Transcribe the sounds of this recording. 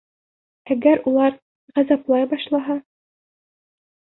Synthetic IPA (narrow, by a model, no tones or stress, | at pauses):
æɡæɾulˠɑɾ | ʁæzæplˠɑjbɑʃlˠɑɦɑ